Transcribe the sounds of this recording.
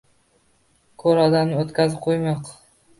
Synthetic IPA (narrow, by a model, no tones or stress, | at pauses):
kʰɵɾɒd̪amnɪot̪kʲazɪp̚qʰojmɑq